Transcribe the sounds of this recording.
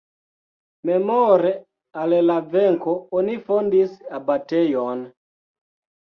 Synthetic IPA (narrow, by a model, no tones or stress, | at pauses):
mɛmɔɾɛ | alɛlavɛŋkɔɔnifɔndisabatɛjɔn